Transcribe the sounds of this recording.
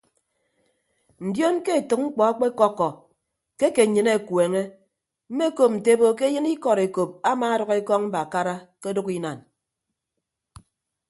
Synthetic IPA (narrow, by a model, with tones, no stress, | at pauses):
n̩˨djo˦nke˦e˨tɨ˨k̚ŋ͡m̩˦k͡pɔ˨a˦k͡pe˦kɔ˦kːɔ˨ | ke˦ke˨ɲɨ˨ne˨kweː˨ŋe˦ | m̩˦me˦ko˨p̚n̩˨te˦bo˨k̬e˦jɨ˦ni˦kɔ˨ɾe˨ko˨p̚a˦maː˨a˦dɔ˨ɣe˦kɔ˦ŋm̩˦ba˨ka˦ɾa˦ke˦do˦ki˦na˨n